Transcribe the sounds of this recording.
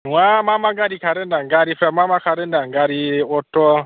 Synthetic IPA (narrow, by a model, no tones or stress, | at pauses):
wamamaɡaɾikʰaɾɛndaŋɡaɾifɾamamakʰaɾɛndaŋɡaɾiɔtɔ